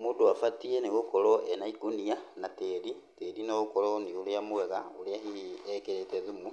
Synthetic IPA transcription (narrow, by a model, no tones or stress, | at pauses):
moːdoafatieneɣokɔɾɔɛnaikonianateɾi | teɾinaɣokɔɾɔneoɾeamoɛɣaoɾeahiiɛkeɾetɛðumu